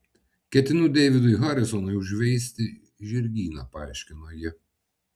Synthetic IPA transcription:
kʲɛt̪ʲɪnʊd̪ʲɛɪʋʲɪd̪ʊɪɦɐɾʲɪsɔnɐɪʊʒʲʋʲɛɪsʲt̪ʲɪ | ʒʲɪɾʲɡʲiːnɐpɐɑˑɪʃʲkʲɪnojɪ

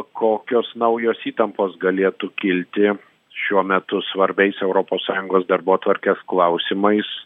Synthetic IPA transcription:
kʰoːkʲoːsnɐʊjoːsiːt̪ɐmpoːsɡɐlʲeːt̪ukʲɪlʲt̪ʲɪ | ʃʲuɔmʲɛt̪ʊsʋɐɾʲbʲɛɪsɛʊɾoːpoːssɑːjʊŋɡoːsd̪ɐɾboːt̪ʋɐɾʲkʲeːsklˠɐʊsʲɪmɐɪs

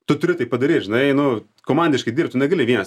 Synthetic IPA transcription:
t̪ʊt̪ʊɾʲɪt̪ɐɪpɐd̪ɐɾʲiːt̪ʲʒʲɪnɐɪnʊ | koːmɐnʲd̪ʲɪʃkɐɪd̪ʲiːrpt̪ʊnʲɛɡɐlʲɪʋiɛnɐs

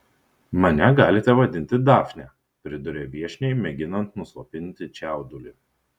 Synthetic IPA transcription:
mɐnʲɛɡɑːlʲɪt̪ʲɛʋɐd̪ʲɪnʲt̪ʲɪd̪ɑːfʲnʲɛ | pʲɾʲɪd̪ʊɾʲeːʋʲiɛʃʲnʲɛɪmʲɛɡʲɪnɐnt̪nʊsˠoːpʲɪnʲt̪ʲɪt͡ʃʲæˑʊd̪ʊlʲɪ

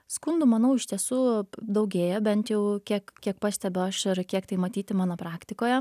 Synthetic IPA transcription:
skʊnd̪ʊmɐnɐʊɪʃʲt̪ʲiɛsuːd̪ɐʊɡʲeːjɛbʲɛnt̪jɛʊkʲiɛkkʲiɛk̚pɑːsʲt̪ʲɛbʲʊɐʃɪɾkʲiɛkt̪ɐɪmɐt̪ʲiːt̪ʲɪmɑːnopɾɑːkt̪ʲɪkoːjɛ

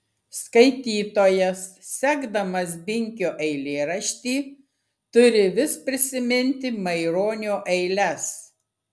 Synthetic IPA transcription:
skɐɪt̪ʲiːt̪oːjɛs | sʲæːɡd̪ɐmɐs̬bʲɪŋʲkʲoːʔɛɪlʲeːɾɐʃʲt̪ʲiː | t̪ʊɾʲɪʋʲɪspʲɾʲɪsʲɪmʲɪnʲt̪ʲɪmɐɪɾoːnʲoːʔɛɪlʲɛs

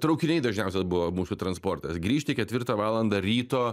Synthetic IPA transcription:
t̪ɾɒʊkʲɪnʲɛɪd̪ɐʒʲnʲɛʊsʲɛsbʊʋoːmuːsʊːt̪ɾɐnspoːɾt̪ɐsɡɾʲiːʃʲt̪ʲɪkʲɛt̪ʲʋʲɪɾt̪ɐʋɑːlˠɐnd̪ɐɾʲiːt̪oː

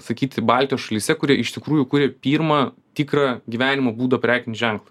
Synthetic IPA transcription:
sɐkʲiːt̪ʲɪbɑːlʲt̪ʲijoːʃɐlʲiːsʲɛkʊɾʲiɛʔɪʃt̪ʲɪkɾuːjʊkʊɾʲeːpʲiːɾmɐt̪ʲikrɑːɡʲiʋʲæːnʲɪmɐbuːd̪ɐpʲɾʲæːkʲɪnʲʒʲæŋklˠɐ

